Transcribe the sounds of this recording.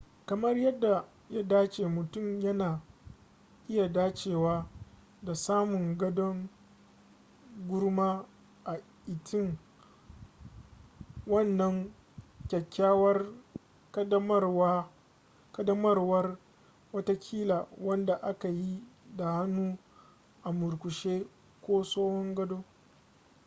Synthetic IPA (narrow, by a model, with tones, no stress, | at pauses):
kɐ˨mɐ˦rjɐ˦dːa˨ | ja˦daː˦t͡ʃeː˨mʊ˨tʊ˦˨mjɐ˦naː˨ | ʔɪ˦ja˨daː˦t͡ʃeː˨waː˦ | da˨saː˦mʊ˨ŋɡɐ˦dɔ˦ŋ | ɡʷʊ˦rmaː˦ | ʔa˨ | ʔɪ˨tʰɪ˦˨ŋ | wɐ˦˨nːɐ˦ŋ | kʲɛ˨kʲːaː˦wɐ˦r | kɐ˦dɐ˦mɐ˦rwa˦ | kɐ˦dɐ˦mɐ˦rwɐ˦r | wɐ˦ta˦kʲʰiː˦laː˨wɐ˦nda˨ʔa˦ka˨ji˦da˨ha˦nːuː˦ | ʔa˨mʊ˨ɾkʷʊ˨ʃeː˦ | kʷoː˦soː˦hɔ˦ŋɡɐ˦doː˦